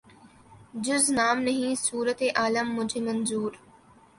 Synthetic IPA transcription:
d͡ʒʊznaːmnəɦĩːsuːɾət̪eʔaːləmːʊd͡ʒʱeːmɐnzuːɾ

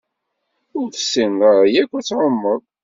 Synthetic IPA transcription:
ʊɾθə̥sinəʁjækʷːæt͡sːʕəmːəðˤ

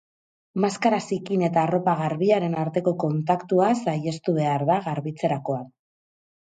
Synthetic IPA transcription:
maskaɾasikine̞t̪aːro̞paɣ̞aɾβiaɾe̞naɾt̪e̞ko̞ko̞nt̪akt̪uasaje̞st̪uβ̞e̞aɾðaɣaɾβit͡se̞ɾako̞ak

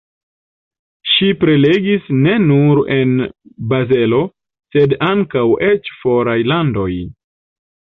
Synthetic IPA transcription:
ʃipɾe̞le̞ɡisne̞nuɾe̞nbaze̞lo̞ | se̞daŋkawe̞t͡ʃfo̞ɾajlando̞j

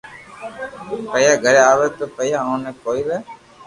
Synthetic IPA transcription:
pəjaːɡəɽjaaːʋɛːt̪oːpəjaːõːnẽːkoːiːʋɛː

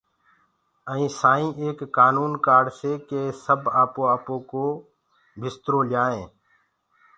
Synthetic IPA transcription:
əĩːsaːĩːʔeːkːaːnuːnkaːɖseːkeːsəbaːpõːaːpõːkoː | bʱɪst̪ɾoːlɪjaːẽː

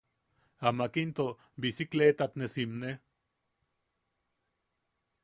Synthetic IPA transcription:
amakint̪o | bisiklet̪at̪nesimne

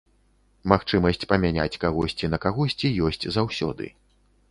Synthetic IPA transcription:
maxt͡ʂɨmɐsʲt͡sʲpɐmʲanʲa̰t͡sʲkaɣɔsʲt͡sʲinɐkaɣɔsʲt͡sʲijɔsʲt͡sʲzawsʲɔ̰d̪ɨ̰

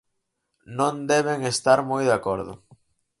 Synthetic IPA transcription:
nõnd̪ɛβ̞eŋest̪aɾmojðakoɾðʊ̰

